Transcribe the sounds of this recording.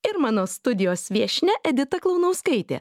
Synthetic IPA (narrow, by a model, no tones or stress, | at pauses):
ɪɾmɑːnoːst̪ʊd̪ʲɪjoːsʋʲiɛʃʲnʲɛʔɛd̪ʲɪt̪ɐklˠɐʊnɐʊskɐɪt̪ʲḛː